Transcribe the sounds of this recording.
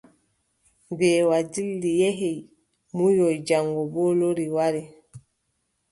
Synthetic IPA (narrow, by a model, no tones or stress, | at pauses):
bɛːwad͡ʒilːijɛɦɛj | mujɔjd͡ʒaŋɡɔbɔloɾiwaɾi